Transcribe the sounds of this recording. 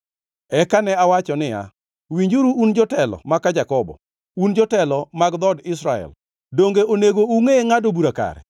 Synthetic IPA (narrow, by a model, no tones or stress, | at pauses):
ɛkanɛawat͡ʃɔnɪja̰ | wiɲd͡ʒuɾuːnd͡ʒɔtɛlɔ̰makːad͡ʒakɔbɔ̰ | und͡ʒɔtɛlɔmaɡd̪ɔdɪs̬ɾaɛ̰l | doŋɡeʔoneɡouŋeŋadobuɾaka̰ɾɛ̰